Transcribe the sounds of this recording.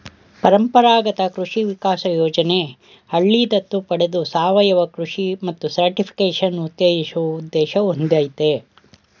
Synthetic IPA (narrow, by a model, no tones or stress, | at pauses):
pɐɾɐmpɐɾaːɡɐt̪ɐkɾuʂiʋikaːsɐjoːd͡ʒɐne | hɐɭːiːd̪ɐt̪ːupɐɽed̪usaːʋɐjɐʋɐkɾuʂimɐt̪ːusɐɾʈipʰi̥keːʂɐnut̪ːeːiʃuɐud̪ːeːʃɐond̪aːjt̪e